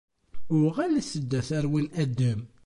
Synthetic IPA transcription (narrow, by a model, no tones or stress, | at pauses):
ʊʁælæsəd̪ːæθæɾwinæd̪ːəm